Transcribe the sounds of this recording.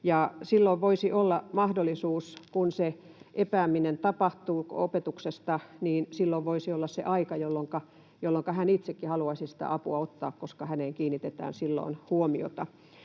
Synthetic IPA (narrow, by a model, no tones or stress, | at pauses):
jɑsilːoiʋʋoisiʔolːɑmɑhdolːˑisuːskunse | ʔepæːminent̪ɑpɑht̪uːopet̪uksest̪ɑniːnsilːoʋʋoisiolːɑssḛʔɑikɑjolːoŋkɑ | jolːoŋkɑhænit̪sekːihɑluɑisisĭ̥t̪æ̰ʔɑpuɑot̪ːɑ̰ːkkoskɑhæneːŋkiːnːit̪et̪æ̰ːnsilːo̰inhuomio̰t̪ɑ